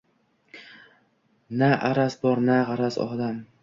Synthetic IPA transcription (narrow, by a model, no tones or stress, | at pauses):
naʔaɾasbɒɾnaʁɑɾasɒ̰d̪am